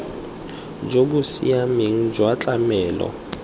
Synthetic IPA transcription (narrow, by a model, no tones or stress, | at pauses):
d͡ʒokusḭameŋ̩d͡ʒwat͡ɬʼamɛːlɔ̰